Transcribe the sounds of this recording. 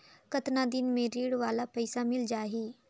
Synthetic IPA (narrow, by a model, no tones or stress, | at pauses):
kət̪naːd̪ɪnmẽːɾiːɽʋaːlaːpəsaːmɪld͡ʒaːɦiː